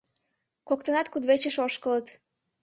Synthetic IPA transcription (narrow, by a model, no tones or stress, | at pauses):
kokt̪ənɑt̪kud̪βet͡ɕəʃoʃkələt̪